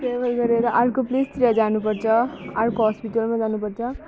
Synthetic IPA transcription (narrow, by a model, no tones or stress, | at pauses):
pebʌlɡʌɾeɾʌʔaɾkoplist̪ɾjad͡zanupʌrt͡sʰʌaɾkoɦʌspiʈʌlmad͡zanupʌrt͡sʰʌ